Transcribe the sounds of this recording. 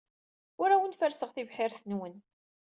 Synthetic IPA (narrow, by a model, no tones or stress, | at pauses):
ʊɾæwənt̪fəɾsəʁθivħɪɾθənwən